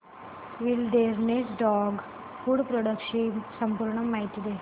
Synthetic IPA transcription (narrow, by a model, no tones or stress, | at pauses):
ʋilɖeːɾnesɖɔːɡ | fuːɽpɾoɽɐkʂisɐmpuːɾɳɐmːajʈːid̪e